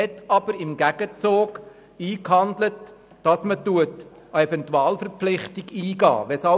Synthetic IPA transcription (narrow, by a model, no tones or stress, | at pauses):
ɛtɑb̥əɾɪmɡæɡ̥ət͡soːɡ | iːkhɑndlət | d̥ɑsmətuət | əefɛntuɑːlfəɾp͡flɪχtɪɡiːɡɑ̰ːʋɛsɑ